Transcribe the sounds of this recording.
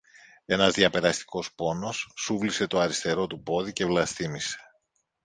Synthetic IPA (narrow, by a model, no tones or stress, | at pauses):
e̞nɐzðiɐpe̞ɾɐst̪i̥ko̞spo̞no̞sːuvlise̞t̪o̞ɐɾist̪e̞ɾo̞t̪upo̞ðice̞vlɐst̪imise̞̥